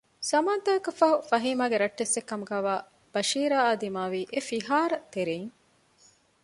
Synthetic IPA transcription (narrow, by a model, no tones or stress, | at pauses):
sɐmaːt̪ɐɐkɐfɐɦufɐɦiːmaːɡeɾɐʈːesːekːɐmuɡaːʋaː | b̥ɐʃiːɾaːaːd̪imaːʋiːʔefiɦaːɾɐt̪eɾeːŋ